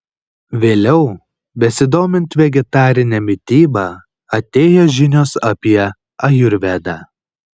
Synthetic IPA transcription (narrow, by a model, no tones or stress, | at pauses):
ʋʲeːlʲɛʊ | bʲɛsʲɪd̪oːmʲɪnʲt̪ʋʲɛɡʲɛt̪ɑːɾʲɪnʲɛmʲɪt̪ʲiːbɑ | ɐt̪ʲeːjoʒʲɪnʲoːsɐpʲiɛ | ɐjʊɾʲʋʲɛd̪ɑː